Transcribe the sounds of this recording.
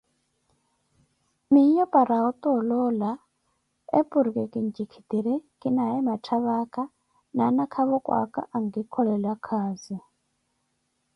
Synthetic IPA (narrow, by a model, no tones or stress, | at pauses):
miɲɔpʼaɾaɔt̪ʼɔlɔla | ḛpʼuɾikʼɛkʼiɲd͡ʒikʰi̥t̪iɾɛkʼinaɛmatʰaβakʼa | nanakʰaβɔkʼwa̰kʼa̰ʔaŋɡikʰɔɺɛlakʰaːzi